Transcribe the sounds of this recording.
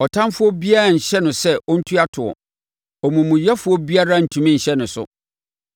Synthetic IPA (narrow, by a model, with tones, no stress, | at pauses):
ɔ˨tʰã˦nfʊ˦ɔ˦bi˦a˦ɾa˨ɲ̩˨ɕɛ˦nʊ̃˨sɛ˦ʔɔ˦n̩˦tʰu˦a˦tʰʊ˨ɔ̰˨ | ɔ˨mũ˨mũ˨jɛ˦fʊ˦ɔ˦bi˦a˦ɾa˦n̩˨tʰũ˨mĩ˦ɲ̩˨ɕɛ˦nʊ̃˨sʊ̰˦